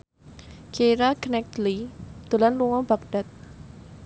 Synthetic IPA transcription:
keɾaknɛk̚t̪lid̪̥ṳlanluŋɔb̥ak̚ɖ̥a̤t̪̚

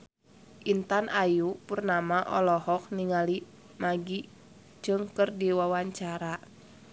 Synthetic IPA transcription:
ʔint̪anʔajupurnamaʔɔ̰lɔɦɔk̚niŋali | maɡi | d͡ʒɨŋkərdiwawaɲt͡ʃaɾa

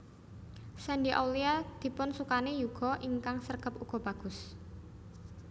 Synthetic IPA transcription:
sɛnɖiʔa̰wliad̪̥i̤pʊnsukanejuɡ̥ɔ̤ʔiŋkaŋsərɡ̥ə̤puɡ̥ɔ̤b̥ä̤ɡ̥ʊ̤s

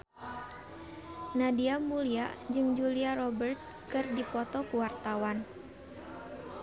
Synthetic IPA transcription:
nadiamuliad͡ʒɨŋd͡ʒuliaɾɔbərt̪̚ | kɨrdipɔt̪ɔkuwart̪awan

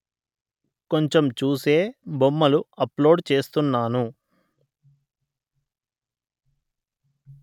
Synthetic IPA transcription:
ko̞ɲt͡ʃemt͡ʃuːse̞ːbomːɐluɐplo̞ːɖt͡ʃe̞ːst̪unːaːnu

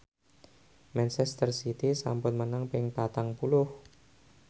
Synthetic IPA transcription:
mɛnsɛst̪ərsit̪isa̰mpʊnmənaŋpɪŋpat̪aŋpulʊh

